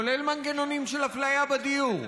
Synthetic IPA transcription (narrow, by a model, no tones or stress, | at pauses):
olelmanɡenonimʃelaflajabad̪iuʁ